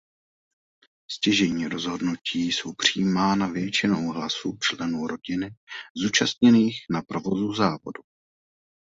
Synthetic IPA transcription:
scɪʒɛɲiːɾo̞zɦo̞dnuciːso̞wpr̝̥iːmaːnavjɛt͡ʃɪnowɦlasuːt͡ʃlɛnuːɾo̞ɟɪnɪzuːt͡ʃast̪ɲɛniːxnapɾo̞vo̞zuzaːvo̞̰du

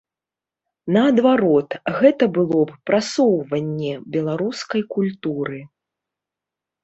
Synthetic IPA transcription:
nɐɐd̪vaɾɔt̪ɣɛt̪ɐbɨlˠɔppɾasɔwvɐnʲːɛbʲɛlˠaɾuskɐjkulʲt̪uɾɨ

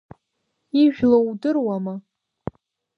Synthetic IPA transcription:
iʒᶣlowdɨrwama

